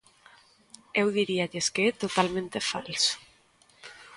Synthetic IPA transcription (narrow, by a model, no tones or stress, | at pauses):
ewðiɾiaʎeskeɛt̪ot̪almẽnt̪efalsʊ̥